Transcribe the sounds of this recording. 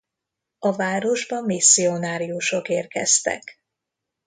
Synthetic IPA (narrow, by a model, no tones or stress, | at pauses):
ɒvaːɾo̞ʒbɒmmisːionaːɾijuʃo̞keːrkɛ̰st̪ɛ̰k